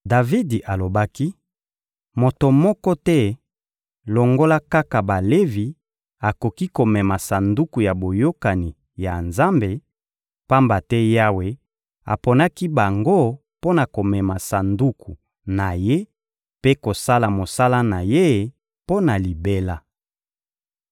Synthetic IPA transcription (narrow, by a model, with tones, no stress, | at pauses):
da˨vi˦dʔa˨lo˨ba˦ki˦ | mo˨to˨mɔ˦kɔ˦tɛ˦ | lo˨ŋɡo˦la˦ka˦ka˨ba˨le˦vi˨ | a˨ko˨ki˦ko˨mɛ˨ma˨sa˨ndu˦ku˨ja˨bo˨jo˦ka˨ni˨ | ja˨nza˦mbe˨ | pa˦mba˨tɛ˦ja˦we˨ | a̰˨pɔ˨na˦ki˦ba˨ŋɡo˦ | po˦na˨ko˨mɛ˨ma˨sa˨ndu˦ku˨ | na˨je˦ | pe˦ko˨sa˦la˨mo˨sa˦la˦na˨je˦˨ | po˦na˨li˨be˦la˦